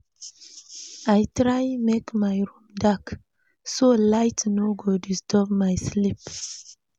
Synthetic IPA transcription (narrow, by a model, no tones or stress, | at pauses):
ajtɾajmekmajɹũmdak | solaɪtnoɡodistʰɔpmajslip